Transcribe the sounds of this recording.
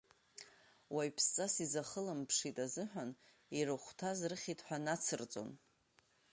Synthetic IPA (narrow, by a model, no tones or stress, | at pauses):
wajpʰst͡sʼasizaχəlampʰʂitʼazɨħᶣan | iɾɨχʷtʰazrɨχʲitʰʼħʷᶣanat͡sʰɨrt͡sʼo̞̰n